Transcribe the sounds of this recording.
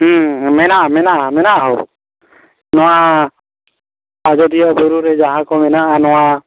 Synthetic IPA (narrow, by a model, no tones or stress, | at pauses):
mɛnaʔamɛnaʔamɛnaʔaɦɔ̰ | nɔwa | ad͡ʒɔdijɔbɔɾuɾɛd͡ʒaɦãkɔmɛnaʔanɔwa